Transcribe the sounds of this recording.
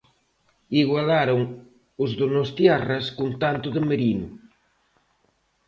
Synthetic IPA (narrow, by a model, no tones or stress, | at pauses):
iɣwalaɾoŋ | ʊzðonost̪jaraskunt̪ant̪ʊðemeɾinu